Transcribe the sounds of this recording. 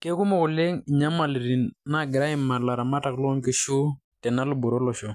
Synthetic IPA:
ke˦ku˦mɔ˦kʊ˨le˦ŋi˨ɲa˦ma˨li˨ɾi˨nːa˦˨ɡɪ˨ɾa˦ɪ˦ma˨la˨ɾa˨ma˦ta˨klɔ˦ŋke˦ʃu˦ | tɛ˨na˦lʊ˦˨bʊ˨ɾo˦lɔ˨ʃɔ˨

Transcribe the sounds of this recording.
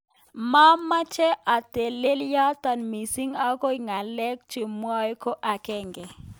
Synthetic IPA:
ma˦mːa˦t͡ʃɛ˦ʔa˨te˨le˦lja˦ta˨nmi˨si˦ŋa˦ko˦i˨ŋa˨lɛ˦k̚t͡ʃe˨mwa˦jko˦ʔa˨kɛ˦˨ŋɡɛ˨

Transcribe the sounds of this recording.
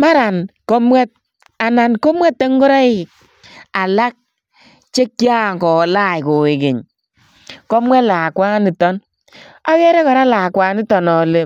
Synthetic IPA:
ma˦ɾa˨nkɔ˦mwɛ˦t̚ | a˨na˨nkɔ˦mwɛ˦tːe˦ŋɡɔ˦ɾa˦ɪ˦˨ | a˨la˦k̚ | t͡ʃe˦kja˦˨ŋkɔ˨la˦˨jko˨ɪ˨kɪ˨ɲ | kɔ˦mwɛ˦tlaː˨kwa˦ni˨tɔ˦n | a˦wɛ˦ɾɛ˦kɔ˨ɾa˦la˨kwa˨˧nɪ˦tɔ˨nɔ˨le˦

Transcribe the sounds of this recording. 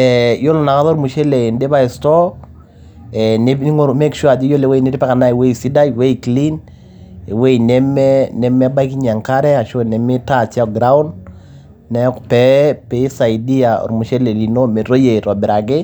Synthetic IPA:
ɛ˨jo˦lo˨na˨ka˦ðɔ˦ɾmu˨ʃe˦le˨ndɪ˦ba˦ɪ˨stɔ˦ | ɛne˦ŋo˦me˦kʃu˦a˨d͡ʒɪ˦jo˦le˨we˦nɪ˦ɾɪ˦pɛ˦ka˨na˦ɪ˨we˦isi˦da˦jwe˦kli˦n | e˨we˦˨nɛ˦mɛnɛ˦mɛ˦ba˦jki˦ɲa˨ŋka˦ɾɛ˦a˨ʃo˦˨nɛ˨mɪ˦ta˦t͡ʃa˦ɡɾa˦ʊ˦nː | ɛ˦kpɛ˦pɪ˨˦sa˨jdi˦a˨ɔ̰˨ɾmu˨ʃe˦le˨li˨no˦me˨ɾo˦je˨ɾɔ˨bɪ˨ɾa˨ɡɪ˦

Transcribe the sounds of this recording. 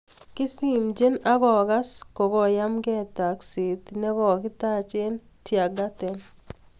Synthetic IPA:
kɪ˦si˨md͡ʒe˦na˦ɡɔ˨ɡa˦sko˨kɔ˦˨ja˦mɡɛ˦ta˨ksi˨t̪nɛ˦kɔ˨kɪ˦ta˦t͡ʃe˦n | tja˨ɡa˦t̪ɛ˨n

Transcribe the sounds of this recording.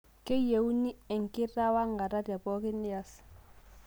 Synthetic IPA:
kɛ˦je˨u˦ni˦ɛ˨ŋ˨ki˦ɾa˦wa˦ŋɡa˨ɾa˦da˨bɔ˦ki˦ni˦ja˦s

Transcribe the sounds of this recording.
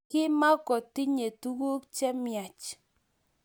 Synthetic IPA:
kɪ˦ma˦kɔ˨ti˦ɲe˨tu˦ɡu˦kt͡ʃɛ˦mja˨t͡ʃ

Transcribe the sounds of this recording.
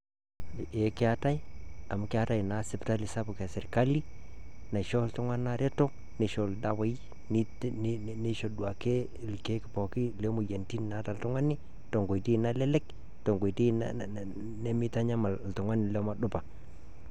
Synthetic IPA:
e˨ke˦a˦ta˦ja˨m˨˦ke˦a˦ta˦jna˨˦sɪ˦pta˦li˨sa˦bu˨ka˨sɛ˨ɾka˦li˦ | na˨ʃɔ˦ltʊ˦ŋa˦na˦ɾɛ˦to˦ | ne˨ʃo˨lda˨wa˦i˦ | ni˦ | n˦ | ni˦ʃo˨ɗwa˨ke˦˨ | lke˨˦ki˨pɔ˨ki˦le˦mu˨je˨nti˦n˨na˨˦ta˨ltʊ˦ŋa˦ni˦ | to˨ŋɡo˨ti˦˨na˦lɛ˦lɛ˦k | to˨ŋɡo˨ti˦n̰ | nɛ˦mi˦ta˦ɲa˦ma˨lltʊ˨ŋa˦nɪ˨lɔ˦ma˨ɗʊ˦pa˨

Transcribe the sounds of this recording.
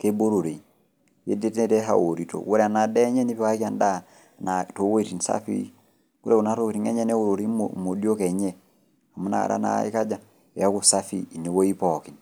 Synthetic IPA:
ke˦bo˦ɾo˨ɾe˨i | je˦de˦te˦ne˦˨te˦ɦa̰˨wo˨ɾi˨to̰˨wo˦ɾɛ˦a˨na˨dɛ˦ɲɛ˦ni˦pwa˦ka˦nda˦˨ | na˨to˨˦we˦˨ti˨n˨sa̰˦fḭ˦ | ku˦ɾe˦u˨na˨˦to˦ke˨ɾi˨ŋɛ˦ɲɛ˦ne˦wo˦ɾo˨ɾi˦momo˨di˦o˦kɛ˨ɲɛ˦ | a˨mu˦na̰˨ɾa̰˦na̰˦ḭ˦ka˦d͡ʒa˨ | e˨ja˦ku˨sa˦fḭː˦˨ni˨˦wo˦i˦pɔ˨ki˨n

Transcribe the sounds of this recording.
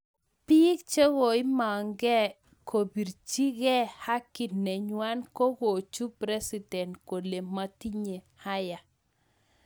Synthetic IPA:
pi˦kt͡ʃe˦ɣo˨ɪ˦ma˨ŋɡɛ˦ | kʰo˨bi˨ɾt͡ʃi˦ɡɛ˦ha˦ki˨nːɛ˨ɲwa˦nko˦ɡo˨t͡ʃu˦pɾɛ˦si˨dɛ˨nko˨le˨ma˨ti˦ɲe˨ha˦ja˨

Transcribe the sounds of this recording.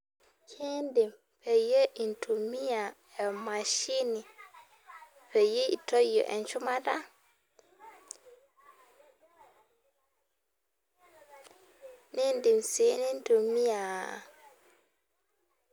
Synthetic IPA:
kʰe˦ndi˨m | pʰɛ˨je˦ʔi˨ntʰu˨mi˦ja˨ | ɛ˨ma˨ʃi˦ni˨ | pɛ˨je˦ḭ˨tɔ˦jɔ̰˨ʔɛ̰˨nt͡ʃu˦ma˦da˦ | ne˦ndi˨mse˨˦ni˦n˦tu˨mi˦a˨

